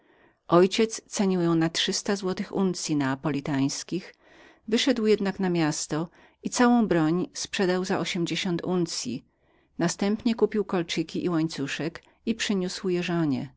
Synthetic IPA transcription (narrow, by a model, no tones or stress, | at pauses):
ʔɔjt͡ɕɛt̪st̪sɛɲiwjɔ̃w̃natʂɘst̪azwɔt̪ɘxunt̪sʲjinaːpɔlʲit̪aj̃skʲix | vɘʂɛd̪wjɛd̪naknamʲjast̪ɔ | it̪sawɔ̃w̃bɾɔɲspʂɛd̪awzaʔɔɕɛmd͡ʑeɕɔnt̪unt̪sʲjḭ | nast̪ɛmpɲɛkupʲiwkɔlt͡ʂikʲiʔiwaɲt̪suʂɛk | ipʂɘɲuswjɛʐɔɲɛ̰